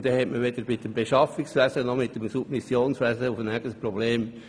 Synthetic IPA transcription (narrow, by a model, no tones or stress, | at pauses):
d̥̪ɛhɛtməʋed̪əɾmɪtəmbeʃɑfɪksvæzənɔmɪt̚demsub̥̚misjoːnsʋæzəufənæɡəspɾɔbleːm